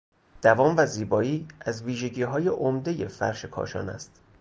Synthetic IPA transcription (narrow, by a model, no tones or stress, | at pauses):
d̪̥ævɒːmvæziːbɒːiːæzviːʒe̞ɟiːɦɒːje̞ʔomd̪e̞je̞fæ̰ɾʃe̞kʰɒ̰ːʃɒ̰ːnæ̰st̪